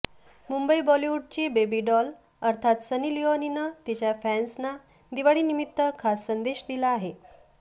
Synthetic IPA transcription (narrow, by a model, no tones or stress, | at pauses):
mumbəibɔliʋuɖ̚t͡ɕiːbebiɖɔl | əɾt̪ʰat̪sənilioninət̪it͡ɕjafænsna | d̪iʋaɽiːnimit̪ːəkʰasːənd̪eɕd̪ilaaɦe